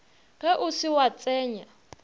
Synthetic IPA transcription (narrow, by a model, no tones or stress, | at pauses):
ɣɛʔʊsɪwat͡sʼɛːɲa